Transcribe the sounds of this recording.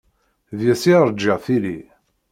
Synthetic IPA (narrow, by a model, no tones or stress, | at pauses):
ðjæsiɾˤd͡ʒːiʁθili